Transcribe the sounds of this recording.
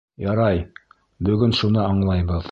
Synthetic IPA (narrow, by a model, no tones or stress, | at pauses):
jɑɾɑj | bɵ̆ɡɵnʃunɤɑɴlˠɑjbɤð